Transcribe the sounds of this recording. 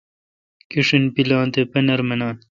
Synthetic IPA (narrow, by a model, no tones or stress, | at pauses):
kiʂinpilaːnt̪epɐnɐɾmɐnaːn